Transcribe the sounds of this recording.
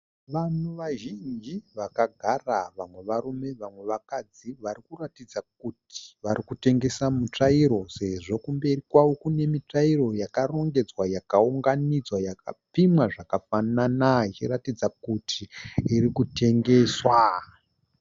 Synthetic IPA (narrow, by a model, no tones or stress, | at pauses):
ʋan̤uʋaʒind͡ʒiʋakaɡʱaraʋamwe̞ʋarume̞ʋamwe̞ʋakad͡ziʋaɾikuratid͡zak̚utʰi̥ʋaɾikute̞ŋɡe̞samut͡ʂaiɾo̞se̞ʐo̞kumbe̞rikwawokune̞mit͡ʂairo̞jakaro̞ŋɡe̞d͡zwajakauŋɡanid͡zwajakapimwaʐakafananait͡ʃiratid͡zakutʰiːrikute̞ŋɡe̞swa